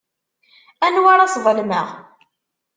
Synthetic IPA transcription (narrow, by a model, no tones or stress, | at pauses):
ænwaɾˤɑsvˤəlmə̰ʁ